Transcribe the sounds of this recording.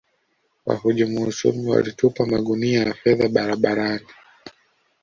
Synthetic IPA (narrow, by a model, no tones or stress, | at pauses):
wa̰huʄamuusṵmiwa̰litupamaɠuniajafɛðaɓaɾaɓaɾani